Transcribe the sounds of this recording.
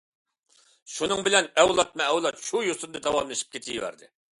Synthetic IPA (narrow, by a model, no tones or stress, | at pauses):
ʃunɨŋbɪlɛnɛwlˠɑt̪̚mɛːwlˠɑt̪ʃujosɨnd̪ɨd̪ɛwɑmlˠɨʃi̥p̚kʲʰet̪ʰijwæ̰ɾd̪ɪ̰